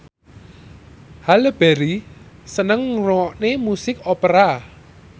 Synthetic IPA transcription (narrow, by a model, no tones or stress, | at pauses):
haləb̥eɾisənəŋroɔʔnemusɪkɔpəɾa